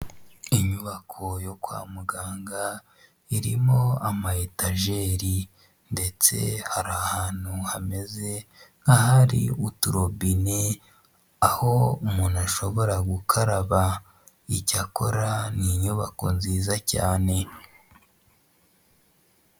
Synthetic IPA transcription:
iɲuβakʰo̞jo̞kwa̰ːmuɡaːŋɡa | iɾimo̞amahetaʒe̞ɾi | nde̞t͡se̞̰haɾahaːn̥huhame̞zeŋɡahaɾḭutuɾo̞bine | aho̞umunaʃo̞βo̞ɾaɡukʰaɾaβa | icako̞ɾaniɲuβa̰ko̞̰nziːzaca̰ːne̞

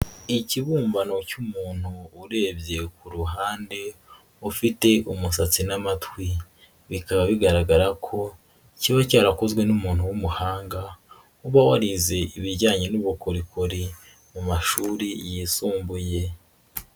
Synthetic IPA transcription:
iciβuːɱvano̞cumuːn̥huːɾe̞ːbje̞kuɾuɦaːnde̞ | ufite̞ʔumusat͡sinamatwi | βikaβaβiɡaɾaɡaɾakʰo̞ | ciβacaːɾakozɡwe̞numuːn̥huwumuhaːŋɡa | uβawaɾize̞iβiɾɟaːɲe̞nuβukoɾikʰoɾi | mumaʃuːɾijisuːmbuje̞

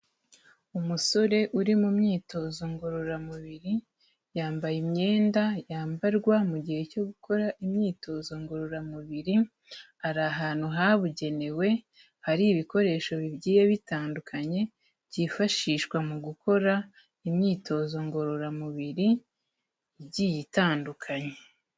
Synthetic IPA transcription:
umuso̞ɾe̞ʔuɾimumɲiːto̞zo̞ŋɡo̞ɾo̞ɾamuβiɾi | jaːmbajimɲe̞ːndajaːmbaɾɡwamuɟihe̞co̞ɡuko̞ɾaʔimɲiːto̞zo̞ŋɡo̞ɾo̞ɾamuβiɾi | aɾaɦaːnhuɦaβuɟe̞ne̞we̞ | haɾiβiko̞ɾe̞ːʃo̞βibɟiːjeβitaːndukʰaɲe̞ | bɟifaʃiːʃkwamuɡukʰo̞ɾa | imɲiːtʰo̞ːzo̞ŋɡo̞ɾo̞ɾamuβiɾi | ɟijitaːndukʰaɲe

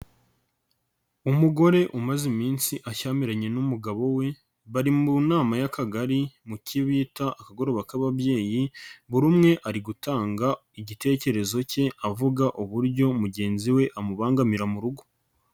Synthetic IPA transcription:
umuɡo̞ɾe̞ʔumazimiːnsiʔaʃaːmiɾaɲe̞numuɡaβo̞we̞ | βaɾimunaːmajakaɡaɾimuciβiːtaːkaɡo̞ɾo̞ːβakaβabje̞ːjiβuɾumŋe̞ʔaɾiɡutaːŋɡa | iɟite̞ːce̞ɾe̞zo̞ce̞avuɡaʔuβuɾɟo̞muɟe̞ːnziwe̞ʔamuβaːŋɡamiɾamuɾuɡo̥

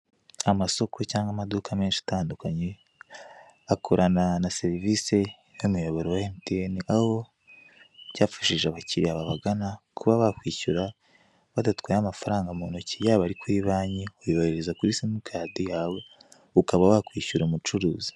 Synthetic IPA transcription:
amaso̞kʰo̞caːŋɡamadukʰame̞ːnʃiḁtaːndukaɲe | akʰoɾʔananase̞ɾivise̞ | numujoβoɾowaentieniʔaho̞ | ɟaːfḁʃiʒeaβaciɾiaβaβaɡanakʰuβaβakwiːçuɾa | βadatu̥kwaamafaɾaːŋɡamonocijaːβaɾikwiβaːɲiojiβaheɾezakuɾisimukʰaːdijaːβo̞ | ukaβawakwiːcuɾumut͡ʃuɾuːzi̥

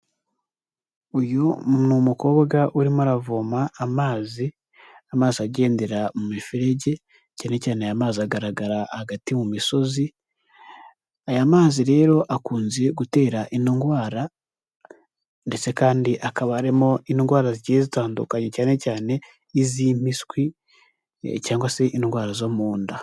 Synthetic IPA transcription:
ujonumuko̞ːβɡaʔuɾimoaɾavoːmaːmaːzi | amaːziaɟe̞ːnde̞ɾamumifiɾe̞ɟe̞ | caːne̞caːneajamaːziaɡaɾaɡaɾahaɡatimumiso̞zi | ajamaːziɾe̞ːɾo̞ʔakuːnze̞ɡute̞ːɾaʔiniŋɡwaːɾa | nde̞t͡se̞kaːndiʔakaβaːɾimo̞iniŋɡwaːɾaziɟiezitaːndṵkaɲe̞caːne̞caːne̞ | iziːm̥iskwi | caːŋɡwase̞ʔinŋɡwaːɾazo̞muːnda

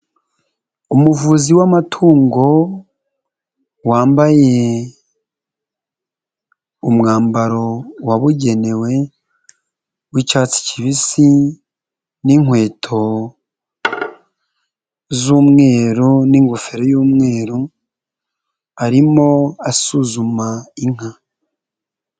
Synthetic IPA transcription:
umuvuziwamatʰuːŋɡo̞ | waːmbaje̞ | umŋaːmbaɾo̞waβuɟe̞ne̞we̞ | wicaːt͡si̥ciβisi | niŋwe̞ːtʰo̞ | zuːmŋe̞ːɾuniːŋɡufeɾojuːmŋe̞ːɾu | aɾimo̞asuzumaiŋ̥a

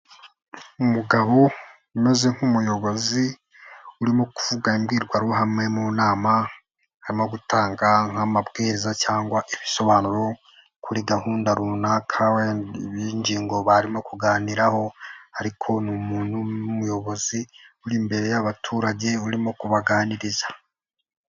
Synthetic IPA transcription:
umuɡaβo̞ | ume̞ze̞ŋ̥humujo̞βo̞zi | uɾimokuv̥uɡaimɡiːɾɡwaɾwɦamŋe̞muːnaːma | haɾimo̞ɡutaːŋɡaŋ̥amabɡeːɾezacaːŋɡwaʔiβiso̞βaːnuɾo̞ | kuɾiɡahuːndaɾunaːkʰawiɲɟiːŋɡo̞βaɾimo̞kuɡaːniɾaho̞haɾikʰo̞numuːnhuumujo̞βo̞ziuɾimbe̞ɾe̞jaβatʰuːɾaɟe̞uɾimokuβaɡaːniɾizḁ

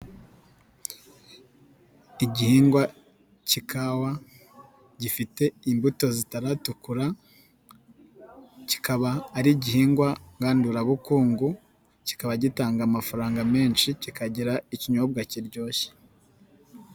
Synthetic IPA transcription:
iɟihiːŋɡwa | cikʰawa | ɟifite̞imbuto̞zitaɾatukuɾa | ci̥kaβaːɾiɟihiːŋɡwaŋɡaːnduɾaβukuːŋɡu | ci̥kaβaɟitaːŋɡamafaɾaːŋɡame̞ːnʃicikaɟiɾaiciɲob̚ɡaciɾɟo̞ːçe̥

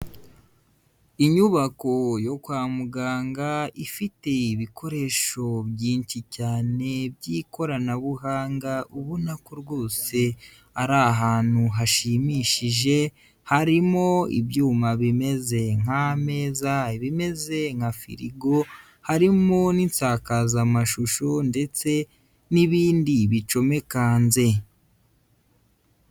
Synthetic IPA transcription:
iɲuβakojo̞kwaːmuɡaːŋɡaifite̞iβikʰo̞ɾe̞ʃo̞bɟiːnt͡ʃicaːne̞bjiko̞ɾanaβuɦaːŋɡauβunakoɾɡwo̞ːse̞ | aɾaɦaːn̥uɦaʃimiʃiʒe̞ | haɾimo̞ḭbjuːmaβime̞ze̞ŋ̥ame̞ːzaiβime̞ze̞ŋ̥afḭɾiɡo̞ | haɾimo̞nint͡saːkazamaʃuʃonde̞t͡se̞ | niβiːndiβit͡ʃo̞me̞kanze̞

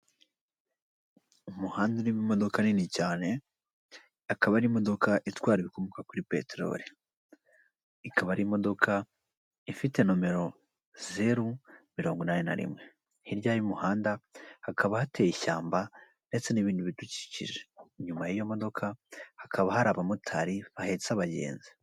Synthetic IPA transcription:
umuhaːndanimimo̞do̞kaninicaːne̞ | akaβaɾimo̞do̞kaʔitwaːɾiβiko̞mukakuɾipe̞̰teɾo̞̰ɾi | ikʰaβaɾimo̞do̞kʰa | ifite̞nome̞ɾo̞ | ze̞ɾumiɾo̞ːŋɡinaːnena̰ɾḭmŋe̞ | hiɾɟaːjumuhaːndahakʰaβahatejiʃaːmba | nde̞t͡se̞niβiːnduβituci̥cḭʒeɲumajijo̞mo̞do̞kʰahakʰaβahaɾaβamutʰaɾiahet͡saβaɟe̞̰ːnze̥

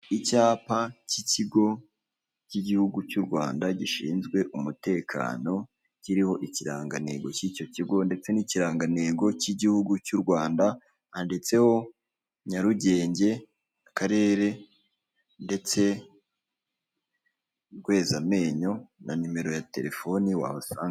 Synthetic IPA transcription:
icaːpaciciɡo̞ | ciɟihuɡucuɾɡwa̰ːndaɟiʃiːnzɡwe̞ʔumute̞ːkʰa̰ːno̞ | ciɾiho̞ʔiciɾa̰ːŋɡane̞̰ɡo̞cico̞ciɡo̞nde̞t͡se̞niciɾaːŋɡane̞ːɡo̞ciɟihuɡucuɾɡwaːnda | ande̞t͡se̞ho̞ | ɲaɾuɟe̞ːɲɟe̞ | akaɾe̞ːɾe̞ | nde̞t͡se̞ | ɾɡwe̞ːzame̞ːɲo̞nanume̞ɾo̞jate̞̰ɾefo̞niwa̰ːhosaːŋa

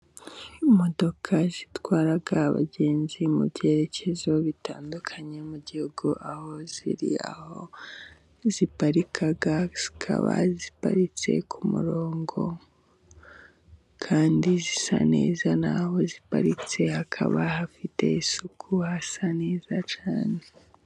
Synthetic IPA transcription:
mo̞do̞kʰazitwaːɾaɡaβa̰ɟe̞ːnzimṵbje̞ːɾe̞ce̞zo̞βitʰaːndukʰaɲe̞muɟihuɡuʔaho̞zḭɾḭa̰ho̞̰ | zipaɾikʰaɡaikʰa̰βa̰zipa̰ɾit͡se̞̰kʰumṵɾo̞ːŋɡo̞ | kʰaːndizisa̰nḛːzanaho̞zipa̰ɾit͡se̞hakʰa̰βahafite̞̰isukʰuhasane̞ːzat͡ʃaːne

